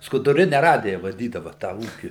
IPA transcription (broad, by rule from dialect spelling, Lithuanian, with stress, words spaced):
skʊdʊˈrʲɪnʲɛ ˈrɑːdʲɪjɛ ʋɐˈdʲiːdɐʋɐ tɑː ˈuːkʲɪ